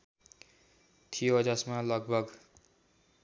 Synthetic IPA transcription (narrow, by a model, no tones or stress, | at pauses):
t̪ʰijod͡zʌsmalʌɡ̚bʱʌɡ